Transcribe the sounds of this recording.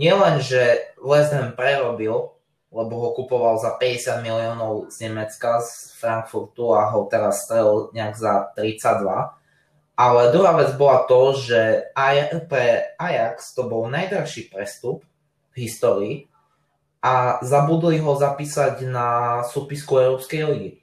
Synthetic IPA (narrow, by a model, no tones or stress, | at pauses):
ɲɪɛlɛnʒɛlɛzd̪ɦɛmpɾɛɾɔbil | lɛbɔɦɔkupɔʋalzapɛɟɛsɪad̪miliɔːnɔʊzɲɛmɛt͡skazfɾaŋkfuɾt̪uaɦɔt̪ɛɾasːt̪ɾɛlɲɛaɡzat̪ɾit͡saɟd̪ʋa̰ | ʔalɛd̪ɾuɦaːʋɛd͡zbɔlat̪ɔʒɛapɾɛajakst̪ɔbɔlnajd̪ɾaxʃiːpɾɛst̪up | vɦist̪ɔːɾiː | azabud̪liɦɔzapiːsaɟnasupiskuɛʊɾɔpskɛjliɡi